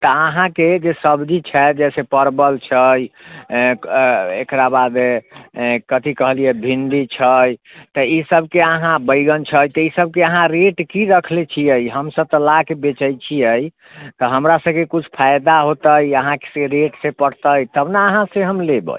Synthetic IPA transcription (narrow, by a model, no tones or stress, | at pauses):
t̪ɔəɦãked͡ʒesəbd͡ʒit͡ʃʰɛd͡ʒɛsepəɾbəlt͡ʃʰəj | ekɾabad̪e | kət̪ʰikəɦlijɛbʱind̪it͡ʃʰəj | t̪əisəbkeəɦãbəjɡənt͡ʃʰəjt̪əisəb̚keəɦãɾeʈkiɾəkʰlet͡ʃʰiəjɦəmsəb̚t̪əlakebet͡ʃəjt͡ʃʰiəj | t̪ɔɦəmɾasəbkekut͡ʃʰpʰajd̪aɦot̪əjəɦãke̥seɾeʈsẽpəɽ̤t̪əjt̪əbnaəɦãseɦəmlebə̰j